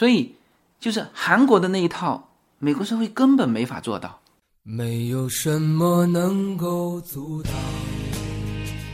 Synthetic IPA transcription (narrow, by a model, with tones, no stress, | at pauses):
swɔ˧˥i˨˩ | t͡ɕjo˥˧ʊʂɻ̩˥˩xa˧˥nkwɔ˧˥d̪ə˧na˥˩i˧˥t̪ʰɑ˥˩ʊ | me˨˩ɪkwɔ˧˥ʂɻ̩˥xwe˥˩ɪkə˥npə˨˩nme˧˥ɪfa̰˨˩t͡swɔ̰˥˧t̪ɑ̰˥˩ʊ | me˧˥ɪjo˨˩ʊʂə˧˥nmə˧nə˧˥ŋko˥˧ʊt͡su˧˥t̪ɑ˥˩